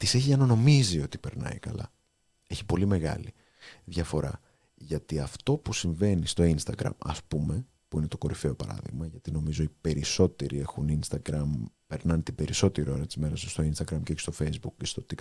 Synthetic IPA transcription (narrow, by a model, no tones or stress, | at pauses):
t̪ise̞çiɐnɐno̞mizio̞t̪i̥pe̞ɾnɐ̰ikɐ̰lɐ̰ | e̞çi̥po̞lime̞ɣɐ̰li | ðʝɐfo̞ɾɐ̰ | ʝɐt̪iɐft̪o̞pusiɱve̞nist̪o̞inst̪ɐɡɾɐ̰mɐ̰spume̞ | puinet̪o̞ko̞ɾife̞o̞pɐ̰ɾɐ̰ðḭɣmɐʝɐt̪ino̞mizo̞ipe̞ɾiso̞t̪e̞ɾie̞xuninst̪ɐɡɾɐmpe̞ɾnɐnt̪ibe̞ɾiso̞t̪eɾio̞ɾɐt̪izme̞ɾɐsst̪o̞inst̪ɐɡɾɐmceest̪o̞fejzbukcest̪o̞t̪ik